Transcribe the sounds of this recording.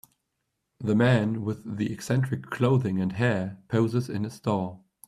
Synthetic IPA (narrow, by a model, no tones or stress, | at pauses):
ðəmæ̃nwɪðiɛksɛ̃nt͡ʃɹ̥ɨkʰl̥oʊðɪ̃ŋə̃nɦɛɹpʰoʊzɪzɪ̰̃nəstɑː